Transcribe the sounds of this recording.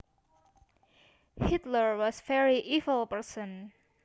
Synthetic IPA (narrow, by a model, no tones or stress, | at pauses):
hit̪ləɹwɔsfɛɹiʔivəlpəɹsɔ̃n